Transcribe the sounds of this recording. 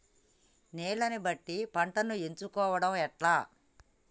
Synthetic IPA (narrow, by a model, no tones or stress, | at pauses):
neːɭɐnibɐʈːipɐɳʈɐnuent͡ʃukɔːʋɐɽɐmɛʈlaː